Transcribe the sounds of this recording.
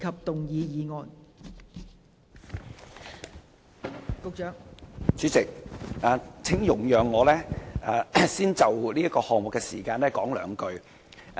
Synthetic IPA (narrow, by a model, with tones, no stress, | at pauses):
kʰɐ˨p̚t̪ʊ˨ŋjiː˨˧jiː˨˧ŋɔː˨n | kʊ˨˧k̚t͡ʃœː˨˥ŋt͡ʃyː˨˥t͡sɪ˨k̚aː˨t͡sʰɪ˨˥ŋjʊ˨˩ŋjœː˨˩ŋːɔː˨˧lɛː˥aː˨˧siː˥nt͡sɐ˨wliː˥ɐ˥kɔː˧hɔː˨ŋ̚mʊ˨kːɛː˧sḭː˨˩kaː˧nlɛː˥kɔː˨˥ŋlœː˨ŋkɵ˧ɥ